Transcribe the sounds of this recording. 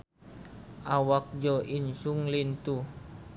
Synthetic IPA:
ʔawak̚d͡ʒɔʔinsuŋlint̪u

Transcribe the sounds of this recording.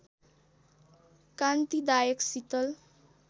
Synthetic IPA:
kant̪id̪ajəksit̪əl

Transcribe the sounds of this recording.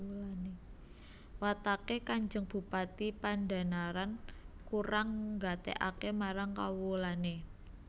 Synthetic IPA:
lane | wat̪akekaɲd͡ʒəŋb̥ṳpat̪ipanda̤naɾankuɾaŋɡat̪ḛʔa̰kemaɾaŋkawulane

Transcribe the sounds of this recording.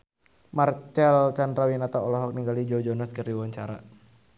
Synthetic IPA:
mart͡ʃɛlt͡ʃandɾawinat̪aɔlɔɦɔk̚niŋɡalid͡ʒɔd͡ʒɔnɔskɨɾiwaɲt͡ʃaɾa

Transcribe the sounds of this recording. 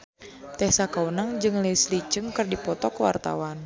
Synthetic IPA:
t̪ɛhsakaunaŋd͡ʒɨŋlɛslit͡ʃɨŋkɨrdipɔt̪ɔkwa̰rt̪a̰wan

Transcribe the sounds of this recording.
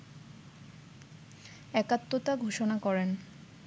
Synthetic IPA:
ɛkat̪ːot̪aɡʱoʃonakɔɾen

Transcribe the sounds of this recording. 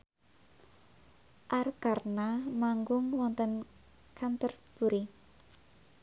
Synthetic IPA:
ʔarkarnamaŋɡʊŋwɔnt̪ən | kʰant̪ərb̥uɾi

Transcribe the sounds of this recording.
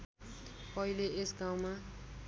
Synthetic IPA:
pʌɦileesɡãw̃ma

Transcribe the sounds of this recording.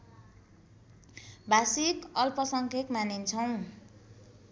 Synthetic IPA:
bʱasikʌlpʌsʌŋkʰekmanint͡sʰʌw̃

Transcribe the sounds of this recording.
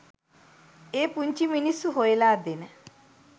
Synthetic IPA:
epuɲt͡ʃiminisuɦoelaːd̪enə

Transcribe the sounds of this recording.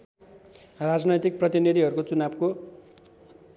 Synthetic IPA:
rad͡znʌjt̪ik̚prʌt̪inid̪ʱiɦʌɾukot͡sunabko

